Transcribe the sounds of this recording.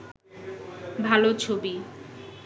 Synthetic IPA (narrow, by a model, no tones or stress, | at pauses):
bʱalot͡ɕʰobi